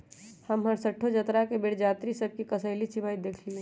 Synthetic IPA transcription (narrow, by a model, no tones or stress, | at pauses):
həmɦəɾsəʈʰːod͡ʒət̪ɾakebeɽd͡ʒaːt̪ɾisəb̚kikəsəɪlisibaːid̪eːkʰliẽ